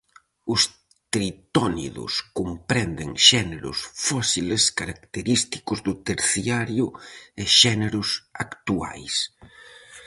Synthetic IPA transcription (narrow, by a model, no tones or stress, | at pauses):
ʊs | t̪ɾit̪ɔnḭðʊ̰skompɾɛnd̪eŋʃɛneɾʊ̰sfɔsileskaɾakt̪eɾist̪i̥kʊzðʊt̪eɾθiaɾjʊeʃɛneɾʊsakt̪ua̰js